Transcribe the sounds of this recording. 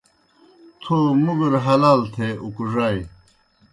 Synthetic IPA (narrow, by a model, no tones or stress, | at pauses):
t̪ʰoːmuɡuɾɦɐlaːlt̪ʰeʔukuʐaj